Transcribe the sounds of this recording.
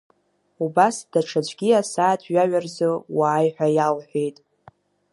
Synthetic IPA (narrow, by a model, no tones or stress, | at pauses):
ubasd̥aʈ͡ʂʰad͡ʒʷʰʼɡʲiasaːtʰɥaɥarzowaːjħʷᶣajalħʷᶣejtʼ